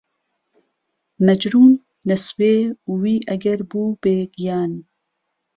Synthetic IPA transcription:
nɐd͡ʒɾuːnː | ɐsweːuwiːʔɐɡɐɾbuːb̥eːɡijaːn

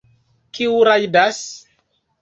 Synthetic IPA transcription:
kiuɾajdas

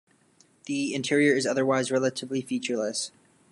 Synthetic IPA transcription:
ðiɪ̃ntʰɪɹiə˞ɨzʌðə˞waɪzɹɛlˠəɾɨvlifit͡ʃə˞ləs

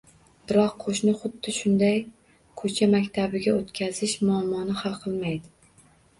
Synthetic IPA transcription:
b̥ɪɾɒqʰoʃnɪχʊd̪ːɪʃʊnd̪aj | kʰot͡ʃʰamakʲt̪ʰabɪɡʲaot̪kʲʰazɪʃmʊamːɒnɪhalˠqʰɨlˠmajd̪ɪ

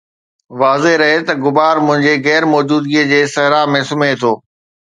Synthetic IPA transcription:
ʋaːzeɾɐɦet̪ɐɡʊbaːɾmʊ̃ɦɪ̃ɲd͡ʑeɣɛːɾmɔːd͡ʑuːd̪ɡiəd͡ʑeːsɐɦɾamẽsʊmet̪ʰoː

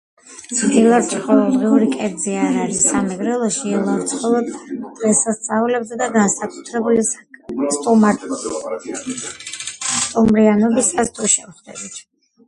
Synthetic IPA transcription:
ilˠɔɾt̪sʰχɔlˠɔd̪ʁɛuɾikʼɛɾd̪ziaɾaɾisamɛɡɾɛlˠɔʃiːlˠɔɾt̪sʰχɔlˠɔd̪d̪̥ʁɛsast̪sʼaulɛbzɛd̪aɡansakʼu̥t̪ʰɾɛbuli | st̪ʼuma | st̪ʼumɾianɔbisast̪ʰuʃɛmχd̪ɛbit̪ʰ

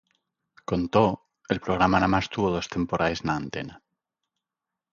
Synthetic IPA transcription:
ko̞nt̪o | e̞lpɾoɣ̞ɾamanamast̪uβoð̞o̞st̪e̞mpoɾʔaeznaːnt̪e̞̰na

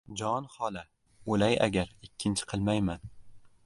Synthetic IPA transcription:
d͡ʒɒnhɒlˠa | olaja̰ɡʲaɾɪkʲʰːɪnt͡ʃʰɪ̥qʰɨlˠmajman

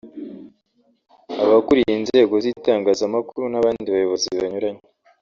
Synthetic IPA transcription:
aβakuɾijinze̞ːɡo̞ziːtaːŋɡaːzamakuɾunaβaːnndiβajo̞βo̞ziβaɲuɾaɲe

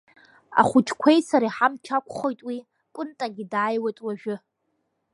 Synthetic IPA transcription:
a̰χʷʊt͡ʃʼʰkʷʰe̞jsaɾaħamt͡ʃʰakʷʰʼχojtʼwi | kʷʼʊntʼaɡʲɪdaːjwajtʼwaʒᶣʊ

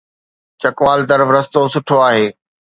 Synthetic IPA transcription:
t͡ɕɐkʋaːld̪ɐɾʋɾɐst̪osʊʈʰoaːɦeː

